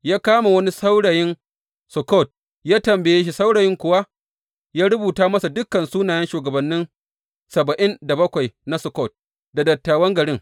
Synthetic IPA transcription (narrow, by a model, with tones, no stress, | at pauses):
jaː˦kaː˦ma˨wɐ˦ni˦sa˦wɽa˨jɪ˦n | sʊ˨kɔ˦˨t̚ | jaː˦tɐ˨mbe˨jeː˦ʃ̬i˦˨sa˦wɽaː˨jɪ˦ŋkʷʊ˨wa˦ | jaː˦ɽʊ˦buː˨taː˦mɐ˦sa˨dʊ˦kːɐ˨nsuː˦naː˨jɛ˦nʃuː˨ɡɐ˨bɐ˨nːɪ˦n | sɐ˨bɐ˨ʔɪ˦nda˨bɐ˦kʷa˨jna˦sʊ˨kɔ˦˨t̚ | da˨dɐ˨tːaː˨wɐ˦ŋɡɐ˨ɽɪ˦ŋ